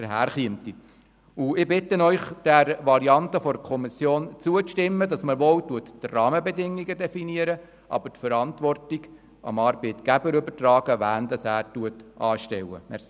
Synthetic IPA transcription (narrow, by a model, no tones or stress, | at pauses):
əɦæːɾχiəmt̪i | uɪbɪt̪ːənœʏχd̥æɾʋɑɾiɑntəfɔɾkʰɔmisjoːnt͡suəʃtɪmːədɑsməɾʋowtuəttrɑːməbɛdɪŋːiɡədɛfiniəɾə | ʔɑ̰bəɾtfəɾɑntʋɔrtiɡ | ɑ̰mɑːɾbɛɪt̪kæbəɾøbərtrɑːɡ̥əʋæːnd̪ɑsæːɾtuətɑːʃtɛwə̰mɛs